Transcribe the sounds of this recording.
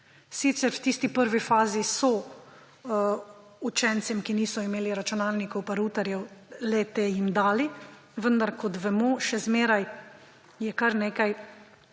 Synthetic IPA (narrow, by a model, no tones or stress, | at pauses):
sit̪sɛɾwt̪iːst̪ipəɾʋifaːzisɔ | ut͡ʃɛnt̪sɛmkiniːsɔimeːliɾat͡ʃunaːlnikɔwpaɾuːt̪aɾjɛwlɛt̪eːjimd̪aːli | ʋənd̪aɾkɔt̪ʋɛmɔʃɛzmeːɾaj | jɛkaɾneːkaj